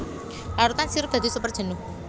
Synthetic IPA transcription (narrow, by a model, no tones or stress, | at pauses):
laɾut̪ansiɾʊp̚d̪ad̪isupərd̥ʒ̥ə̤nʊ